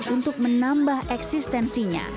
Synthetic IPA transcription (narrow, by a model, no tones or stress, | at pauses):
unt̪ʊk̚mənambahʔɛksist̪ɛnsiɲa̰